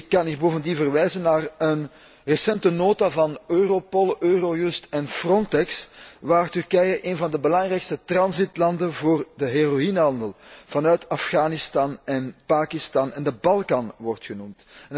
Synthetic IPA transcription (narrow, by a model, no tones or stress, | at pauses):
ɪkːɑniboːvəndinvərʋɛjzənːaːrən | rəsɛntənoːtavɑnøːropolˠøːrojʉstɛnfrɔntɛksʋaːrtʏrkɛjəʔeːnvɑndəbəlɑŋrɛjkstətrɑnzitlɑndənvoːrdəɦeroinɦɑndəlˠv̥ɑnœɥtɑfɣaːnɪstɑːnɛnpaːkɪstɑːnɛndəbɑlˠkɑnʋɔrtxənumtn